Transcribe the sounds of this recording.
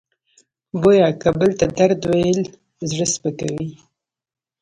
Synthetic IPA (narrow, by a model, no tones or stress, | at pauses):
bojɑkabəlt̪ad̪aɾd̪wajəl | zɽəspəkawi